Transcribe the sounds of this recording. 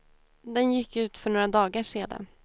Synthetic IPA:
d̪ɛnjɪkːʉ̟ːt̪fœɳoːɾad̪ɑːɡaʂeːd̪a̰

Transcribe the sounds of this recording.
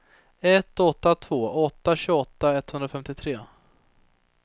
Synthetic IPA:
ɛt̪ːɔt̪ːat̪ʰvoːʔɔt̪ːaɕʉːɡɔt̪ːaɛt̪ːhɵnd̪ɾafɛmt̪ɪt̪ʰɾeː

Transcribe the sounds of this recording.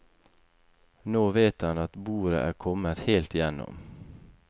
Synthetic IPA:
noːʋeːt̪hɑnɑt̪buːɾə̰ʔæːkʰɔmət̪heːlt̪ɪjɛnːɔ̰m

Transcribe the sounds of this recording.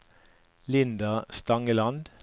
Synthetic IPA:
lɪnd̪ɑst̪ɑŋəlɑnd̪

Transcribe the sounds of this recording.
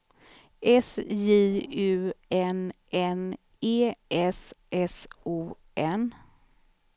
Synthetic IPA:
ʔɛsjiːʉ̟ːɛnʔɛn | eːʔɛsʔɛsuː | ɛn

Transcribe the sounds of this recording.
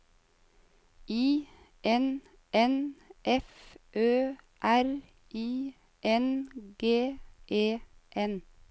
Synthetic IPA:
iː | ʔɛn | ʔɛnʔɛfʔøː | ʔæɾ | ʔiː | ʔɛnɡeːʔeːʔɛn

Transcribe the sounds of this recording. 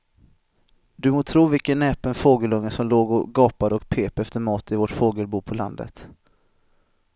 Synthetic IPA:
d̪ɵmoːt̪ʰɾuːvɪkənːɛːpənfoːɡəlɵŋːəsɔmloːɡɔɡɑːpad̪əɔkpʰeːpɛft̪əɾmɑːt̪ɪvɔʈfoːɡəlbuːpʰɔla̰nd̪ə̰t̪

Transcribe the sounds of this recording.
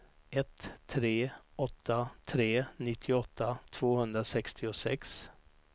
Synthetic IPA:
ɛt̪ʰːɾeːɔt̪ʰːat̪ʰɾeːnɪt̪ʰːɪɔt̪ʰːat̪ʰv̥oːhɵnd̪ɾasɛkst̪ʰɪʊsɛks

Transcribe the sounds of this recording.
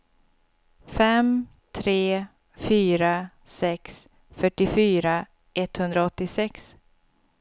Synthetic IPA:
fɛm | t̪ʰɾeː | fyːɾa | sɛks | fœʈːɪfyːɾa | ʔɛt̪hɵnd̪ɾaɔt̪ːɪsɛks

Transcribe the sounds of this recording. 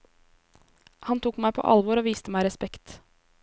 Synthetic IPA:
hɑnt̪uːkmæɪpʰo̰ːʔɑ̰lʋʊɾoːʋiːst̪əmæɪɾɛspɛkt̪

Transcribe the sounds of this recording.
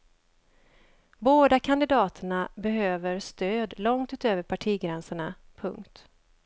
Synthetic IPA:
boːd̪akʰand̪ɪd̪ɑːt̪ʰəɳabɛɦøːvəɾst̪øːd̪lɔŋt̪ʉ̟ːt̪øːvəɾpʰaʈʰiːɡɾɛnsəɳa | pʰɵ̰ŋkt̪

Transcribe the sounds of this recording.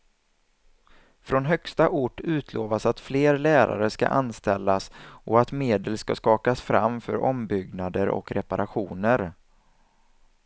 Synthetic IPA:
fɾɔnɦœkst̪aʔʊʈːʉ̟ːt̪ʰloːvasat̪fleːɾlæːɾa̰ɾəska̰ʔanst̪ɛlːasʔɔat̪meːd̪əlskaskɑːkasfɾa̰mfœ̰ɾʔɔmbʏɡnad̪əɾʔɔ̰kɾɛpaɾʔaɧuːnəɾ

